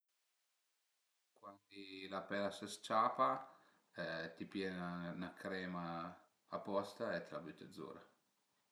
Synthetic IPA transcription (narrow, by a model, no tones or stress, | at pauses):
kwand̪ilapɛlasəst͡ʃaːpa | ɛt̪ipjɛnanakɾɛːmaː | pːɔst̪aɛt̪labut̪ːəd̪zːṵːɾa